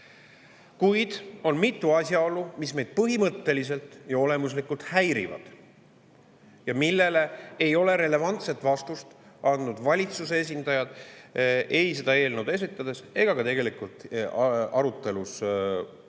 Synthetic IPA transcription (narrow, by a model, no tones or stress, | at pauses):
kujd̪̥o̞nmit̪ːˑuɑsʲjɑo̞lːumisme̞jd̪̥̚pɤɦimɤt̪ːe̞lise̞lt̪ˑjɑo̞le̞mus̬likːˑult̪hæjɾḭvɑ̰d̪̥ | jɑmilːe̞le̞ejo̞le̞ɾe̞le̞vɑnt̪set̪vɑst̪ust̪ | ɑnd̪nud̪̥vɑlʲit̪susees̬ʲind̪̥ɑjɑd̪̥ | ʔe̞js̬e̞d̪̥ɑe̞ːlnuwd̪̥e̞sit̪ːˑɑd̪̥e̞se̞ɡ̥ɑkɑt̪e̞ɡ̥elikult̪ | ɑɾut̪ːˑe̞lus